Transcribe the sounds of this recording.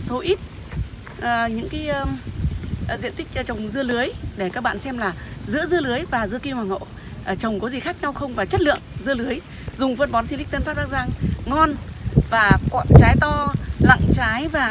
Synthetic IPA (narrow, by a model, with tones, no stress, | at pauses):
so˨˦ʔi˦˥t̚ | ʔəː˨˩ɲɨ̰˧˥ŋkaː˨˦j | zḭ˧ənt̪ï˦˥k̟̚ːt͡ɕə˨˩wŋ͡mzɨ˧əlɨ˨˦əjɗe˧˩kaː˦˥k̚ɓa̰ː˧˨nsɛ˧mlaː˨˩zɨ̰˧˥əzɨ˧əlɨ˨˦əjvaː˨˩zɨ̰˧əki˧waː˨˩ŋo̰˧˨ | ʔːt͡ɕə˨˩wŋ͡mkɔ˨˦zi˨˩xaː˦˥k̚ɲa˧wxə˧wŋ͡mvaː˨˩t͡ɕə˦˥t̚lɨ̰˧˨əŋzɨ˧əlɨ˨˦əj | zʊ˨˩ŋ͡mfə˧nɓɔ˨˦nsi˧li˦˥k̚t̪ə˧nfaː˦˥p̚ɗa˦˥k̚zaː˧˩ŋŋɔ˧nvaː˨˩kwa̰˧˨t͡ɕaː˨˦jt̪ɔ˧la̰˧˨ŋt͡ɕaː˨˦jvaː˨˩